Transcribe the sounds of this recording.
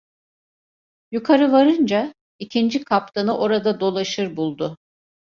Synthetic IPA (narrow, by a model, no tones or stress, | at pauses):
jukʰaɾɯvaɾɯnd͡ʒa | icʰind͡ʒikʰapt̪ʰanɯʔo̞ɾad̪ad̪o̞lˠaʃɯɾbulˠd̪ʊ